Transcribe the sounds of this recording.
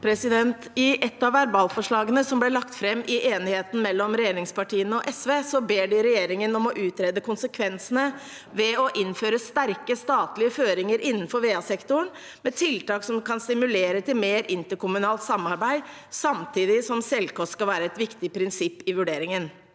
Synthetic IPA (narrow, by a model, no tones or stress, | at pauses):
pʰɾɛsɪd̪ɛnt̪ɪʔɛt̪ːɑʋæɾbɑːlfɔʂɭɑːɡənəsɔmblɛlɑkt̪fɾɛmːʔɪʔeːnɪheːt̪n̩mɛlːɔmɾɛjeːɾɪŋspɑʈʰiːənəɔʔɛsʋeːsɔbeːɖɪɾɛjeːɾɪŋənɔmɔʔʉːt̪ɾɛːd̪əkʰʊnsəkʰʋɛnsənə | ʋɛɔʔɪnːføːɾəst̪æɾkəst̪ɑːt̪lɪəføːɾɪŋəɾɪnːən̩fɔɾʋeːɑsɛkt̪ʊɳ | mɛt̪ʰɪlt̪ɑːksɔmkʰɑnst̪ɪmʉleːɾət̪ʰɪlmeːɾʔɪnt̪əɾkʊmʉnɑːlt̪sɑmːɑɾbæɪsɑmt̪ʰiːd̪ɪsɔmsɛlkɔskɑlʋæːɾəɛt̪ʋɪkt̪ɪpʰɾɪnsɪpːɪʋʉɖeːɾɪŋən